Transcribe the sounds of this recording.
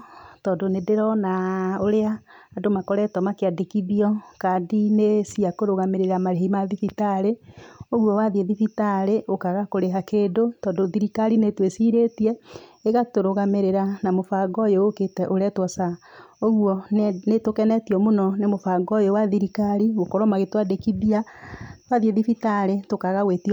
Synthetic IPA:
tɔːndonedeɾɔnaoɾeaːdomakɔɾɛtɔmakeadikiðiɔkadinesiakoɾoɣameɾeɾamaɾeɦimaðifitaɾeoɣwɔwaðieðifitaɾeʔokaɣakoɾeɦakeːdotɔːndoðiɾikaɾinetwesiɾetiɛeɣatoɾoɣameɾeɾanamofaɡɔjooketɛʔoɾɛtwɔsaoɣwɔnetokɛnɛtiɔmonɔnemofaɡɔjowaðiɾikaɾiɣokɔɾɔmaɣetwadekiβiatwaðieðifitaɾetokaɣaweti

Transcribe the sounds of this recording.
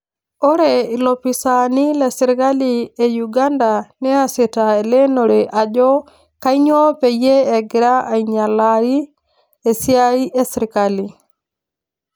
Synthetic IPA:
ʔɔɾɛilopːisanilɛsiɾkaliɛjuɡandanɛasitaɛlɛnɔɾɛʔad͡ʒɔ | kajɲɔːpɛjɛɛɡiɾaʔajɲalːaɾi | ɛsiajiʔɛsiɾkali

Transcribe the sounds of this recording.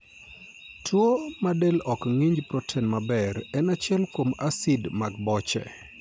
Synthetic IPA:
tʰwomadelɔkŋiɲd͡ʒpɾotʰɛnmabɛɾɛnat͡ʃɪɛlkomasidmaɡ̚bɔt͡ʃɛ̰

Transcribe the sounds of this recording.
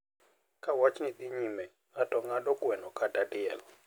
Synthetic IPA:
kʰawat͡ʃnit̪iɲimɛ | ɣatʼɔŋaɗɔkwɛnɔkʰadadiɛlɔ

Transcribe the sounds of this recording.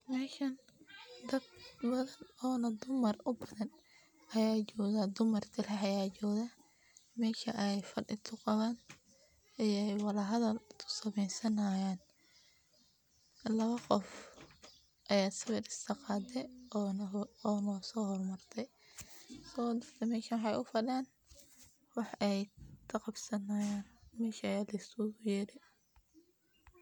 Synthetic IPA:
mɛːʃɐn | d̪ɐb̚bɐðɐnɔːnɐd̪ʊmɐrʊbɐðɐn | ʔɐjaːt͡ʃɔːɣad̪ʊmɐrt̪ʰɪlɐhɐjaːt͡ʃɔːðaː | mɛːʃɐʔjfɐɖɪt̪ʰʊqɑβaːn | ijɛjwɑlɐɦɐðɐlt̪ʰʊ̥sɐmɛjsɐnaːjaːn | lɐβɐqɔf | ʔɐjaːsɪβɛd̪ɪst̪ʰɐqɑːd̪ɛ | ɔːnɔːsɔːhɔrmɐrt̪ʰɛj | sɔːd̪ɐrt̪ʰɛmɛːʃɐwħɑjʊfɐɖaːn | wɑħɛjk̪ʰɐqɑbsɐnajaːnmɛːʃɐɐjaːlɐjst̪ʊʊjɛːɾɛ

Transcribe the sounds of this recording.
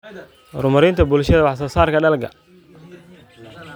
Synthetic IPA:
rʊmɐɾɪnt̪ʰɐbʊlʃɐðɐwɑħs̬ɐsaːrkʰɐɖɐlɡɐ̰

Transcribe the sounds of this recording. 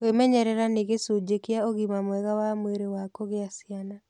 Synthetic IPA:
wemɛɲɛɾɛɾaneɣesud͡ʑekeaoɣimamwɛɣawamweɾewakoɣeasiana

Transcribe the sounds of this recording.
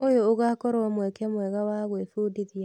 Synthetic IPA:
ojoːɣaːkɔɾoɔmwɛkeamwɛɣawaɣwefudiðia

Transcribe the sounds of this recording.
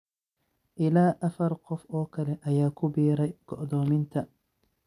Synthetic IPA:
ʔɪlaːʔɐfɐrqɔfɔːkʰɐlɛʔɐjaːkʰʊbiːɾɛjɡ̥ɔʔd̪ɔːmɪnt̪ʰɐ

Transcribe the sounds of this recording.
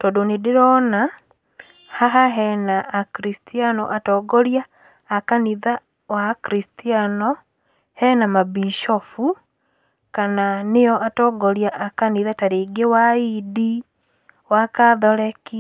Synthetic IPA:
tɔdonedɪɾɔna | haɦaɦɛnaːkɾistianɔ̰ʔatɔɡɔɾjaː | kaniða | wakɾistianɔ | hɛnamabiʃɔfu | kananejɔʔatɔɡɔɾjaʔakaniːðataɾeɡewaidi | wakaðɔɾɛki

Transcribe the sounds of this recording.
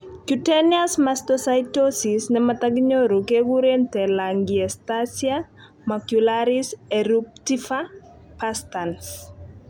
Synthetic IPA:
kjutɛniasmastɔsajtosisnɛmat̪aɡiɲoɾukewuɾent̪ɛlaŋɡiɛstasia | makjulaɾisɛɾup̚tifa | pastans

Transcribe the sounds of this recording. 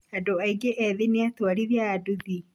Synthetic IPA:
adoaiɡeʔɛðeneatwaɾiðjaːduði

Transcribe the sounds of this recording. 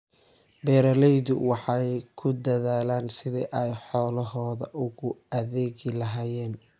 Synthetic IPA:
bɛːɾɐlɛjðʊwɑħɑjkʰʊd̪ɐðaːlaːnsɪðɛʔɛjħɔːlɐɦɔːðɐ̰ʔʊɣʊɐðɛːɣɪlɐɦaːjɛːn

